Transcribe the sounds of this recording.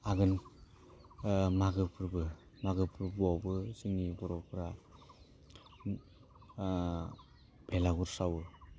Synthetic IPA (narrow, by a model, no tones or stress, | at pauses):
aɡɯn | maɡɯpʰɯɾbɯ | maɡɯpʰɯɾbuawbɯsɯŋibɔɾɔpʰɯɾa | b̥ʱelaɡuɾsawɯ